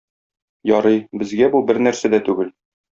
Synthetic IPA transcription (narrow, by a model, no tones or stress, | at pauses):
jɒɾɤjbɘ̆zɡæbubɘɾnæɾsæd̪æt̪ʉɡɘl